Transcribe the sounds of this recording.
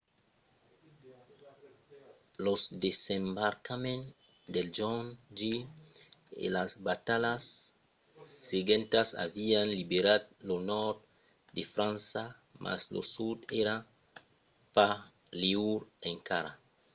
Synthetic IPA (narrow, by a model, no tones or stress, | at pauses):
losd̪esembaɾkamẽn | d̪eld͡ʒɔnd͡ʒi | ḛlasbat̪alas | eɡẽnt̪asa̰vianlibeɾad̪̚lonɔɾt̪ | d̪efɾãnsa | mʔa̰slo̰sud̪eɾa | pa | leuɾẽŋkaɾa